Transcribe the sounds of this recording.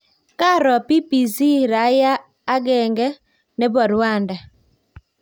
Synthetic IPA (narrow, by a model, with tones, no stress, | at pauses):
ka˦ɾɔ˨pi˦pi˨si˦ɾa˨˦jaː˦ | ɡɛ˨ŋɡɛ˦ | ne˦bɔ˨ɾwa˦˨nda˨